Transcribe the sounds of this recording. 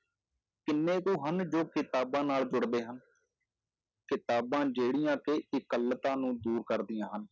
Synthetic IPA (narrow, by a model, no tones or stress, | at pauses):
kɪnːeːkuːɦənd͡ʒoːkɪt̪aːbãːnaːld͡ʒʊɽd̪eːɦən | kɪt̪aːbãːd͡ʒeːɽɪjãːkeɪkələt̪ãːnũːd̪uːɾkəɾd̪ɪjãːɦən